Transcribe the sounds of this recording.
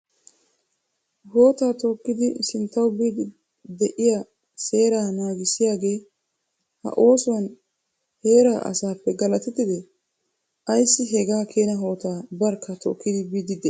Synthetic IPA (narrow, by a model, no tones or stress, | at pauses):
ho̞ːt̪aːt̪oːkːɪd̪ɪsɪnt̪ːɐwbiːd̪ | d̪ɛʔɪja | se̞ːɾaːnaːɡɪsɪjaːɡe̞ː | hɐ̰ʔo̞ːsʊwɐn | he̞ːɾaʔɐ̰saːpːɛɡɐlɐt̪ɛt̪ːɪd̪ɛ | ʔɐjsːɪɦɛɡaːkʰeːnɐɦo̞ːt̪aːbɐɾkːɐt̪o̰ːkːɪd̪ɪbiːd̪ɪd̪ɛ